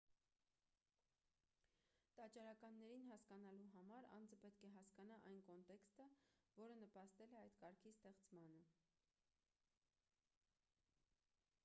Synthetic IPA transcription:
t̪ɑt͡ʃɑɾɑkɑnːɛɾinɦɑskɑnɑluɦɑmɑɾɑ̰nd͡zəpɛt̪kʰɛɦɑskɑnɑʔɑjnkɔnt̪ɛkst̪əvɔɾənəpɑst̪ɛlɛɑjt̪kɑɾkʰist̪ɛχt͡smɑnə

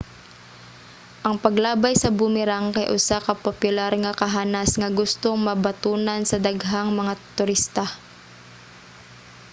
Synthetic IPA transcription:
ʔɐŋpɐɡlaːbajsɐbʊmɪɾaŋkɐjʔʊsakɐpopʊlaɾŋɐkɐɦaːnasŋɐɡʊst̪oŋmɐbɐt̪uːnansɐd̪aɡɦaŋmɐŋat̪ʊɾist̪a

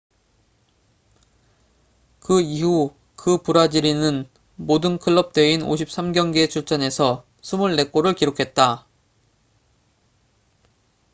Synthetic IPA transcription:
kɯihu | kɯpuɾad͡ʑiɾinɯn | modɯnkʰɯɭːʌp̚t͈we̞ino̰ɕʰip̚s͈amɡjʌŋɡet͡ɕʰuɭt͡ɕ͈ʌne̞sʰʌ | sʰumuɭːe̞k͈oɾɯɭkiɾokʰe̞t̚t͈a

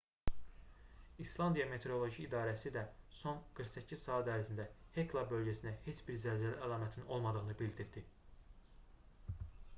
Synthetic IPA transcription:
islˠɑnd̪ijɑme̞t̪ʰe̞ɾo̞lˠo̞ʒiːd̪ɑːɾæsid̪æso̞nɡ̥ɯɾχsæcʰːiz̥sɑːæd̪æɾzind̪æhe̞klˠɑbø̞lɟæsinæhe̞t͡ʃbiɾzælzælæʔælˠɑːmæt̪ʰino̞lˠmɑd̪ɯʁɯnɯbild̪iɾd̪i

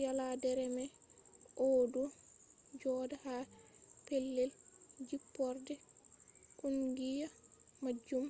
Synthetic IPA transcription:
jaladɛɾɛmɛ | ʔɔdu | d͡ʒɔːdahapelːɛld͡ʒipːɔɾdɛ | kunɡijamad͡ʒum

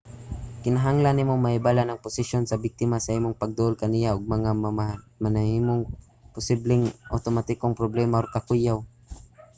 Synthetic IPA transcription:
kɪnɐɦaŋlanːɪmomɐʔɪbaːlanɐŋpʊsɪʃjonsɐbɪk̚t̪ɪmasɐʔiːmoŋpɐɡ̚d̪ʊʔolkɐnijaʔʊɡ̚mɐŋamama | mɐnɐhiːmoŋ | pʊsiblɪŋʔa̰wt̪omat̪ɪkoŋpɾoblɛmaʔokɐkujaw

